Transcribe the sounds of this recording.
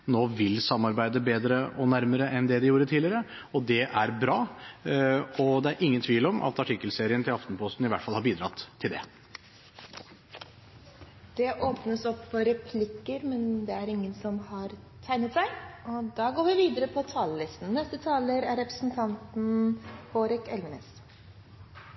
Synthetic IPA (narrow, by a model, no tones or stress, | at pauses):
noːʋɪlsɑmːɑɾbæɪd̪əbeːd̪ɾəɔnæɾməɾəʔɛnd̪ɛd̪ɪjuːɾət̪ʰiːlɪəɾə | ɔd̪ɛʔæɾbɾɑː | ɔd̪ɛæɾʔɪŋːənt̪ʰʋiːlɔmʔɑ̰t̪ɑʈʰɪkːəlseːɾɪənt̪ʰɪlɑft̪n̩pʰɔst̪n̩ɪʋæʈːfɑlhɑɾbiːd̪ɾɑt̪ʰːɪld̪ɛ̰ | d̪̥ɛʔoːpnəsɔpːfɔɾɛpʰlɪkːəɾmɛnd̪ɛæɾɪŋːənsɔmhɑɾ | t̪ʰæɪnət̪sæɪɔd̪ɑːɡoːɾʋɪʋiːd̪əɾəpʰɔt̪ʰɑːləlɪst̪n̩nɛst̪ət̪ʰɑːləɾæɾɛpɾəsn̩t̪ʰɑnt̪n̩hoːɾɪkɛlmənəs